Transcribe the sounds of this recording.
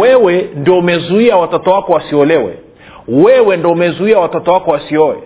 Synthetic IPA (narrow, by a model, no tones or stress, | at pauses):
ɛwɛndɔumɛzuiawatɔtɔwakɔwasiɔlɛwɛ̰ | wɛwɛndɔumɛzuiawatɔtɔwakɔwasiɔwɛ̰